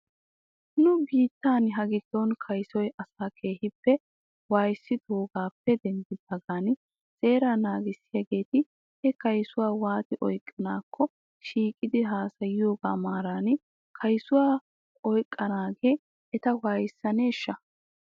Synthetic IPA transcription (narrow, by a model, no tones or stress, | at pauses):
nʊbiːt̪ːaːnɦɐɡɪd̪̥ːɔnkʰɐjsɔjʔɐsaːkʰe̞ːhɪpːɛ | waːjsːɪt̪oːɡaːpːɛd̪ɛnd̪ɪd̪ɐɡaːn | sʼe̞ːɾanaːɡɪsɪjɐɡe̞ːt̪ɪ | hɛkɐjsʊwaːwaːt̪ɪʔɔjkʼːɪnaːkʰːɔ | ʃiːkʼːɪd̪ɪɦaːsɐjjoːɡaːmaːɾaːn | kʰɐjsʊwaː | ɔjkʼːɐnaːɡeː | ɛt̪ɐwaːjɪsːɐne̞ːʃːɐ